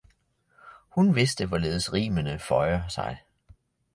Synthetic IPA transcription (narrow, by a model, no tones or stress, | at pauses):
hunʋe̝sd̥əʋɒle̝ːð̞ˠəsʁḭːmənəfɒɪɐsɑ̈ɪ